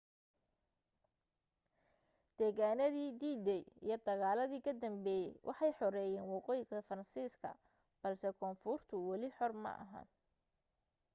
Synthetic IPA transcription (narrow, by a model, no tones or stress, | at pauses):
d̪̥ɛːɣaːnɐðiːd̪iːd̪ɛjḭjɞd̪ɐɣaːlɐðiːkʰɐd̪ɐmbɛːjɛjwʔɑ̰ħɑjħɔɾɛːjɛːnwɑqɔːjɪɣɐfɐɾɐnsiːskʰɐ̰ | b̥ɐlsɛkʰɔːnfʊrt̪ʰʊwɑlɪħɔrmɐ̰ʔɐ̰ɦɐ̰n